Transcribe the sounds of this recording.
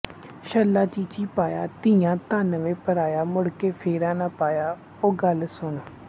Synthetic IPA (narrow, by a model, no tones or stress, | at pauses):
ʃəlːaːt͡ʃiːt͡ʃiːpaːjaːt̪ɪjãːt̪aːnəʋẽːpəɾaːjaːmʊɽkeːpʰeːɾãːnãːpaːjaː | oːɡəlsʊɳ